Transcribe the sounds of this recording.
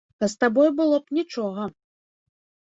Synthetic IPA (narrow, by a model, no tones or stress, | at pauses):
k̪ɐst̪abɔjbɨlˠɔpnʲit͡ʂɔɣɐ